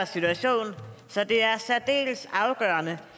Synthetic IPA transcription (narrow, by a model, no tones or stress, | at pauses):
sit͡sʰuæɕo̝̰ːnsɒ̽d̥e̝æɐsæɐd̥e̝̰ːləsɑ̈ʊɡ̥œ̰ːɐnə